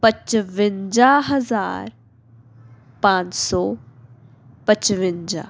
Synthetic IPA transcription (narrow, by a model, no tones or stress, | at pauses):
pət͡ʃʋɪnd͡ʒaːɦɐza̰ːɾ | pãːt͡ʃsɔː | pət͡ʃʋɪ̃nd͡ʒa̰